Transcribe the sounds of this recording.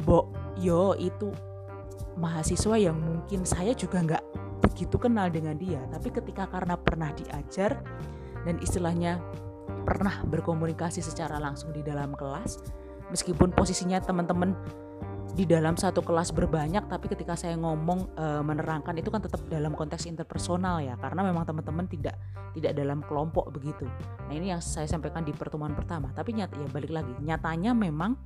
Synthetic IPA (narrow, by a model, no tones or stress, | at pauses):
bɔʔjoit̪u | maɦasisuwajaŋmuŋkɪnsajad͡ʒuɡaŋɡaʔb̥əɡit̪ukənaldəŋandiat̪apikət̪ikakaɾənapərnahdiʔad͡ʒar | danʔḭst̪ilahɲa | pə̰rnahbərkomunikasisət͡ʃaɾalaŋsʊŋdidalamkəlas | məskipʊnposisiɲat̪əmənt̪əmən | didalamsat̪ukəlasbərbaɲak̚t̪apikət̪ikasajaŋɔmɔŋəmənəɾaŋkanit̪ukant̪ət̪əp̚dalamkɔnt̪ɛksint̪ərpərsonaljakaɾənamemaŋt̪əmənt̪əmənt̪idaʔ | t̪idaʔdalamkəlɔmpɔʔbəɡit̪u | naɦinijaŋsajasampajkandipərt̪əmuanpərt̪amat̪apiɲat̪jabalɪklaɡiɲat̪aɲamemaŋ